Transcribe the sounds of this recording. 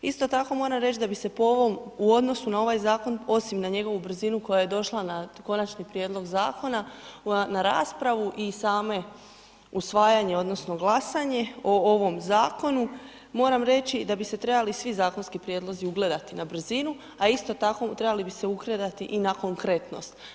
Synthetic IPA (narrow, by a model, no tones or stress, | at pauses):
ist̪o̞t̪ako̞mo̞ːɾamɾe̞t͡ʃd̪abise̞pooʋo̞muod̪no̞sunao̞ʋajzaːko̞no̞simnaɲe̞ɡo̞ʋubr̩zinuko̞jaje̞d̪o̞ʃlˠanako̞nat͡ʃnipɾjed̪lo̞ɡzaːko̞nanaɾa̰ːspɾaʋuʔisaːme̞ | usʋaːjaɲe̞o̞d̪no̞sno̞ɡlasaɲe̞o̞oʋo̞mzaːko̞nu | mo̞ːɾamɾe̞t͡ɕid̪abise̞t̪ɾe̞balisʋizaːko̞nskipɾjed̪lo̞ziuɡled̪at̪inabr̩zinu | aist̪o̞t̪ako̞t̪ɾe̞balibise̞ukɾe̞d̪at̪iʔinako̞ŋkɾe̞t̪no̞̰st̪